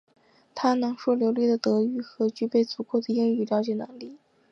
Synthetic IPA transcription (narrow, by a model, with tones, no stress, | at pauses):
t̪ʰa˥nɤ˧˥ŋʂwɔ˥˩ljo˧˥ʊli˥˩d̪ə˩t̪ɤ˧˥y˧˥˩xɤ˧˥t͡ɕy˥pe˥˩ɪt͡su˧˥kʰo˥˩d̪ə˩ji˥˧ŋy˥˩ljɑ˧˥ʊt͡ɕjɛ˨˩na˧˥ŋli˥˩